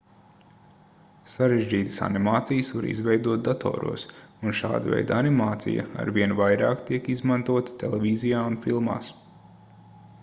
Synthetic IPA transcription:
saɾeʒd͡ʒiːt̪ə̥sa̰nimaːt̪sijsʋaɾḭzvɛjd̪uɔt̪̚d̪at̪ʰo̰ːɾṵɔsunʃa̰ːd̪əvɛ̰jd̪animaːt̪sḭja̰a̰ɾviɛnvajɾaːkt̪iɛkizmant̪uɔt̪ə̥t̪ɛlˠɛvʲizijaːunfilˠma̰ːs

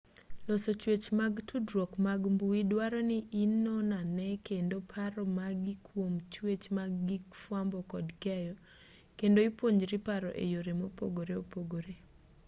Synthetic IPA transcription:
losot͡ʃwet͡ʃmaɡtʰudɾɔkmaɡmbuidwaɾɔnɪʔinːɔnanɛkendopʰaɾɔmaɡɪkʰwomt͡ʃwet͡ʃmaɡːifwambɔkɔdkɛjɔ | kendoipwoɲd͡ʒɾipaɾɔ̰ʔḛjoɾemopo̰ɡoɾeopoɡoɾe

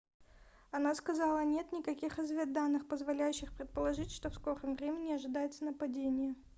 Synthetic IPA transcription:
ɐnaskɐzɑlˠənʲe̞t̪nʲɪkɐkʲixɪzvʲed̪anːɨxpəzvɐlʲæjʉɕːɪxpɾʲɪt̪̚pəlˠɐʐɨtʲʂt̪o̞fsko̞ɾəmvɾʲemʲɪnʲɪɐʐɨd̪ajɪt̪sənəpɐdʲenʲɪjə

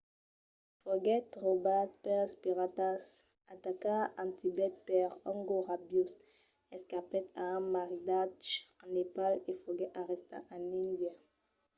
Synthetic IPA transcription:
fɔɡɛt̪ʁobat̪̚pɛʁspiʁat̪as | at̪akaɑ̃t̪ʰibɛt̪̚pɛʁɔ̃ŋɡoʁabjus | ɛskapɛt̪ãmaʁidat͡ʃɑ̃nepalefɔɡɛaʁɛst̪ã̰ʔãnĩnd̪ja

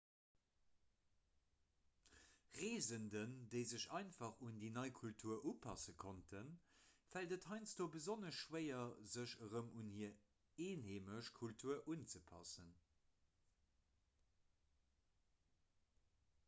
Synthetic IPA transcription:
ʁeːzəndəndəɪzəɕɑɪnfɑχundiːnɑɪkʰultʰuɐʔuːpʰɑsəkʰontʰənfæltəthɑɪnt͡sd̥oːbəzonəʃʃwəɪɐzəʃəʁəmʔunhiːɐ | eːnheːməʃkʰultʰuɐʔunt͡səpʰɑ̰sən

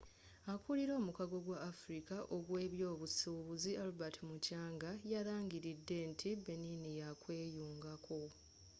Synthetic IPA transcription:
akuliɾo̞ːmukaɡo̞ɡwaʔːfuɾikaʔo̞ɡwe̞ːβjo̞ːβusuβuzialubatʰimucaːŋɡajaɾaːŋɡiɾidːe̞ntʰibe̞ninijakwe̞ːjuːŋɡakʰo̞

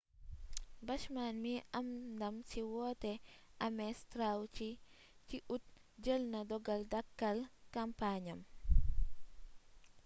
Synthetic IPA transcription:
bɐʃmanmiʔɐmdɐmsiwɔːtɛ | ʔɐmɛstɾawt͡ʃi | t͡ʃiʔut̚ | d͡ʒəlnɐdɔɡɐldɐkːɐlkɐmpaɲɐm

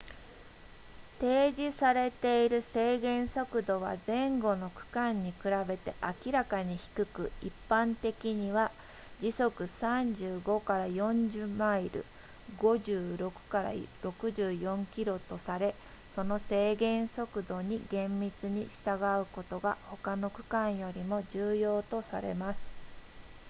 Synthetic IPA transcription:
t̪e̞ːd͡ʑisaɾe̞t̪e̞iɾɯ̟se̞ːɡẽ̞ɰ̃so̞kɯ̟d̪o̞βa̰zẽ̞ŋɡo̞no̞kɯ̟̥kãɲ̟ːikɯ̟ɾabe̞t̪e̞ʔakʲiɾakaɲ̟içi̥kɯ̟kɯ̟ipːãnt̪e̞kʲiɲ̟iβa | d͡ʑiso̞kɯ̟sãɲd͡ʑɨːɡo̞kaɾajõ̞ɲd͡ʑɨmaiɾɯ̟̰ | ɡo̞ʑɯːɾo̞kɯ̟̥kaɾa̰iɾo̞kɯ̟ʑɨːjõ̞ŋkʲiɾo̞t̪o̞saɾe̞ | so̞no̞se̞ːɡẽ̞ɰ̃so̞kɯ̟d̪o̞ɲ̟iɡẽ̞mːʲit͡sɨɲ̟iɕi̥t̪aɡaɯ̟ko̞t̪o̞ɡaho̞kano̞kɯ̟̥kãɰ̃jo̞ɾʲimo̞d͡ʑɨːjo̞ːt̪o̞sa̰ɾḛmasɨ̥

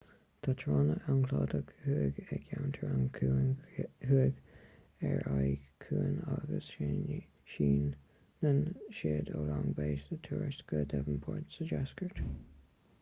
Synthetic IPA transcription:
t̪ʰat̪ʰɹɑːnəʔaŋkʰlɑːdəɡhuəɡɛkʰjawnt̪ʰəɹaŋkʰnhʉəɡ | ɛɹajkʰuːənɑɡəsʃɪn | ʃiːnː | ənʃeːdolaŋbeːsət̪ʰuɹsɡ̥ədɛvənpʰɔɹdsəd͡ʒaskəɹt

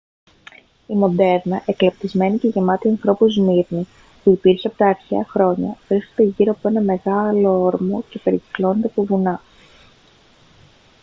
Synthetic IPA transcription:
imo̞d̪e̞ɾnɐʔeklɐpt̪izme̞nice̞ʝemɐt̪iɐnθɾo̞puzniɾni | puipiɾsiɐpo̞t̪ɐːɾçeɐxɾo̞ɲɐvɾiskod̪eʝiɾo̞ɐpoe̞nɐme̞ɣɐlo̞oɾmo̞ce̞pe̞ɾici̥klo̞net̪epuvunɐ

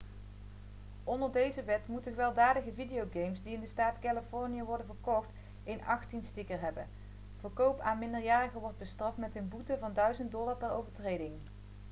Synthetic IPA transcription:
ɔndəɹdejzəʋɛtmutənχəʋɛlˠdaːdəɣəvidejowɡejmsdiɪndəstaːtkaləfɔɹnijəʋɔɹdənvəɹkɔxt | ejnɑxtinstɪkəɹɦɛbən | v̥əɹkowpaːnmɪndəɹjaːrəɣəʋɔɹd̚bəstrɑftmɛtənbutəvɑndœɥzənt̚dɔlˠɑɹpɛro̰wvəɹtrejdɪŋ

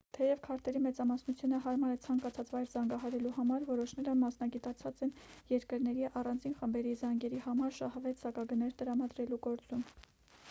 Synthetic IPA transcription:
t̪ʰɛjɛvkʰɑɾt̪ɛɾimɛt͡sɑmɑsnut͡sʰjunəɦɑɾmɑɾɛt͡sʰɑŋkɑt͡sʰɑt͡svɑjɾzɑŋɡɑɦɑɾɛluhɑmɑɾvɔɾɔʃnɛɾəmɑsnɑɡit̪ɑt͡sʰɑt͡sɛnjɛɾkəɾnɛɾiʔɑrɑnd͡zinχəmbɛɾizɑŋɡɛɾihɑmɑɾʃɑhvɛt͡sʰsɑkɑɡənɛɾt̪əɾɑmɑd̪ɾɛluɡɔɾt͡sum

